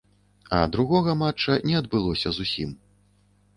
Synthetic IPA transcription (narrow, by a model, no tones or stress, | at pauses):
ɐ̰d̪ɾuɣɔɣɐmat͡ʂːɐnʲɛɐd̪̚bɨlˠɔsʲɐzusʲim